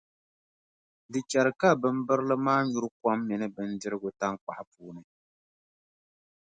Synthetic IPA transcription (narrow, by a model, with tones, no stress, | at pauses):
dɨ˨t͡ʃa˨ɾɨ˨ka˦bɨ˨m˦bɨ˦ɾlɨ˦maː˦ɲu˨˦ɾɨ˦ka˦mːɛ˨nɨ˦bɨ˨n̩dɨ˦ɾɨ˦ɡʊ˨ta˦ŋk͡pa̰˨ʔpuː˦nɨ˨